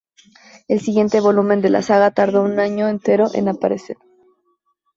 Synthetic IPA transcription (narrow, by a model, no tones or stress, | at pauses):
e̞lsiɣje̞nt̪e̞βo̞lumẽ̞nd̪e̞lʔa̰saɣat̪aɾð̞o̞unaɲoent̪e̞ɾo̞ʔe̞̰napaɾe̞se̞̰ɾ